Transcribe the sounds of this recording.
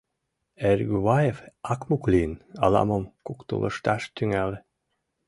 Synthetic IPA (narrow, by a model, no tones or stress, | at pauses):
eɾɡyβɑjefɑkmuklʲinɑ̰lˠɑ̰məmkukt̪ṵlˠɤ̰ʃt̪ɑʃt̪yŋælʲ